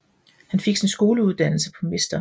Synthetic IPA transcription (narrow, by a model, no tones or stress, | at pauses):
hænfe̝ɡ̥sinsɡ̥o̝ːləuðˠd̥æn̰l̩səpʰɒ̽me̝sd̥ɐ